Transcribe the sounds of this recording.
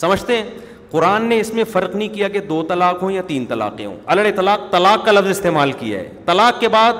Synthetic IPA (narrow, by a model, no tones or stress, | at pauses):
sɐməd͡ʒʱt̪eɦɛ̃ | qʊɾaːnːeɪsmẽfɐɾqnəɦĩkijaɡed̪oːt̪ɐlaːqɦõjat̪iːnt̪ɐla̰ːqḛɦõ̰ɐləɽet̪ɐlaːq̚t̪ɐlaːqːalɐfzɪst̪eːmaːlkija̰ɦɛ̰ːt̪ɐlaːqːebaːd̪̚